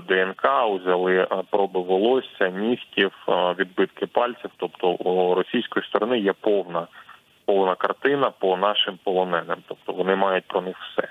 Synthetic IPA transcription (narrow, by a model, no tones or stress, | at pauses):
d̪ɛɛnkɑʊzʲɐlˠɪpɾɔbɪʋɐlˠɔsʲɐnʲixtʲiwʋʲid̪bɪt̪kɪpɑlʲt͡sʲiwt̪ɔpt̪ɔuɾɔsʲijsʲkɔjist̪ɔɾɔnɪjɛpɔwnɐ | pɔwnɐkɐrt̪ɪnɐpɔnɑʃɪmpɔlˠɔnɛnemt̪ɔp̚t̪ɔʋɔnɪmɑjʊt̚ʲpɾɔnɪxwsɛ̰